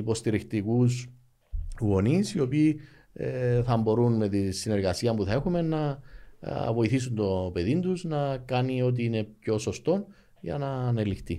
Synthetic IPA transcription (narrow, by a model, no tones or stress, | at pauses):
ipo̞st̪iɾixt̪ikus | ɣo̞nisio̞piː | θɐmbo̞ɾunme̞t̪insine̞ɾɣɐsiɐmpuθɐe̞xume̞nːɐ | vo̞iθis̬und̪o̞pe̞ðind̪uznɐkɐnio̞t̪̬iine̞p̚ço̞so̞st̪o̞n | ʝɐ̰nɐnelixt̪i